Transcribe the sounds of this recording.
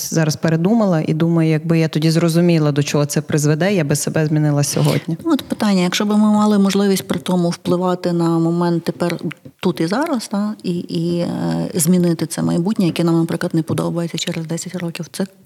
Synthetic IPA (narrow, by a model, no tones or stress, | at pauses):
zɑɾɐspeɾed̪umɐlˠɐʔḭd̪umɐjʊjɐɡ̚bɪjat̪ɔdʲizrɔzʊmʲilˠɐd̪ɔt͡ʃɔɦɔt̪sɛpɾɪzʋed̪ɛjabɪssebɛzʲmʲinɪlˠɐsʲɔ̰ɦɔ̰dʲnʲinɔt̪pɪt̪ɑnʲːɐjɐkʃt͡ʃɔbɪmɪmɑlˠɪmɔʒlˠɪʋʲisʲt̚ʲpɾɪt̪ɔmʊwplˠɪʋɑt̪ɪnɐmɔmɛnt̪ːepɛrt̪ut̪izɑɾɐst̪ɑii | zʲmʲinɪt̪ɪt̪sɛmɐjbutʲnʲɐjɐkʲɛnɑmnɐpɾɪklˠɐt̪nɛpɔd̪ɔ̰bɐjet͡sʲɐt͡ʃɛɾɛzd̪ɛsʲɐtʲrɔkʲiwt̪sɛ